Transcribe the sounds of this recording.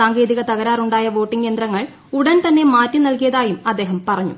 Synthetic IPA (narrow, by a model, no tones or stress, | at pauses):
aːŋɡe̞ːðiɣɐt̪ɐɣɐɾaːruɳɖaːjɐʋo̞ːʈːiŋɡeːnd̪ɾɐŋːɐɭ | uɽɐnt̪ɐnːe̞maːtːinɐlkijɐðaːjumɐd̪ːe̞ːɦɐmpɐrɐɲːṵ